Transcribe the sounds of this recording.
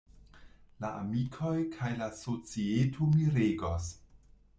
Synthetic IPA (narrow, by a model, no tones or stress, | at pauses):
laʔa̰mikʰo̞jkʰajlasot͡sietʰomiɾeɡos